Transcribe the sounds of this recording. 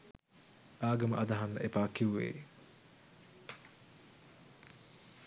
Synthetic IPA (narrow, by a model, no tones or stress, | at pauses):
ʔaːɡɐməʔɐd̪ɐɦanːə̰ʔepaːkiuʋḛː